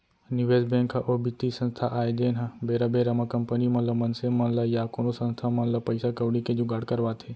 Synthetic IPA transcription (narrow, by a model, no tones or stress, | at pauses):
nuʋeːzbẽːŋkʰːãʔoːbit̪isɐ̃nst̪ʰaʔaːed͡ʒeːnɦãbeːɾabeːɾɐmãkɐmpənimɐnləmɐnsemɐnlaːijakoːnosɐ̃nst̪ʰamɐnləpɐɪsakɐʋɽikẽd͡ʑoːɡɐɽkɐɾʋaːt̪ʰeː